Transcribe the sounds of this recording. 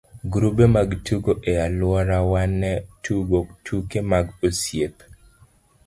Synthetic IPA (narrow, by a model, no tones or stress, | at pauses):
ɡɾubemaɡtuɡoʔealwɔɾawanːɛtʰuɡotʰukemaɡosjep